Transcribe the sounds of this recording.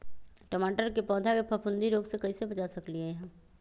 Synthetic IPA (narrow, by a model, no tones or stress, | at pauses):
ʈəmaːʈəɾkepɔːd̪ʱakepʰɐpʰʊ̃nd̪iɾoːɡsekɐisebɐt͡ʃasɐklieɦɛ̃